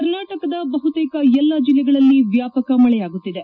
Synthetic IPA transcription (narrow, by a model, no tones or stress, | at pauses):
ɐɾnaːʈɐkɐd̪ɐbɐɦut̪ɛːkɐɛlːɐd͡ʒilːɛɡɐɭɐlːiʋjaːpɐkɐmɐɭɛjaːɡut̪ːid̪e